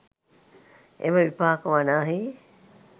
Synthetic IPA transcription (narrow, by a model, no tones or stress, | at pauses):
ḛmɐʋipaːkɐʋanaːɦi